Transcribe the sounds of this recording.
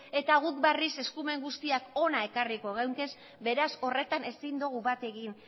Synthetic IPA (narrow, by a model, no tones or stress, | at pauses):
e̞t̪aɣ̞uk̚barise̞skume̞ŋɡust̪iako̞nae̞kariko̞ɣ̞awŋke̞s | be̞ɾaso̞re̞t̪ane̞sind̪uɣ̞uβat̪e̞ɣin